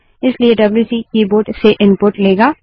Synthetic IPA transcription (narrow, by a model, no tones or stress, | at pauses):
ɪslieɖɐbljuːsikiːboːɾʈseʔɪ̃npʊɾʈleːɡaː